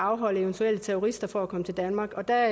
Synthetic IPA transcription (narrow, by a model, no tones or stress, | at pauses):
ɑ̈ʊɦɒ̽l̰əeʊnt͡sʰuel̰ət͡sʰeoʁisd̥ɐfɒækʰɒ̽mət͡sʰe̝ld̥ænmɑ̈ːɡ̥ɒ̽d̥æ